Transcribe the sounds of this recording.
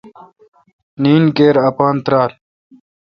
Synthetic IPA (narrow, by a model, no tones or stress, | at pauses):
niːnkeːɾɐpaːnt̪ɾaːl